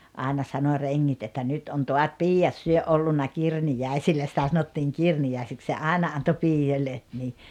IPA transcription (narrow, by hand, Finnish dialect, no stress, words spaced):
ɑˑenɑ sɑno reŋːit etːæ nyt on toɑt piːjːɑt syø ʔolːunːɑ kirnijæˑisilːæ sĭtæ sɑnotːiːŋ kirniæˑisik se ɑˑenɑ ɑnto piːjːolʲːe ni